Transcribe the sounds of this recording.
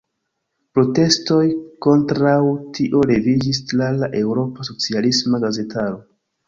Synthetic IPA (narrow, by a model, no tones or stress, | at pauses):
pɾo̞te̞sto̞jko̞ntɾawtʰiʔo̞le̞vid͡ʒislalaʔe̞wɾo̞paso̞t͡sialismaɡaze̞tʰaɾo̞